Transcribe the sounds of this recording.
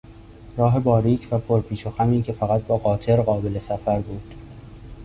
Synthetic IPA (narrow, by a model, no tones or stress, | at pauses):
ɾɒːɦe̞bɒːɾiːcʰvæpʰoɾpʰiːʃoxæmiːcʰe̞fæɣæt̪̚bɒːɣɒːt̪ʰe̞ɾɢɒːbe̞le̞sæfæɾbuːd̪̥